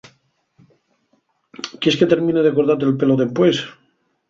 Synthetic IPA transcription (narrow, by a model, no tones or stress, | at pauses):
keske̞t̪eɾmĩneðekoɾðat̪elpe̞loðempwes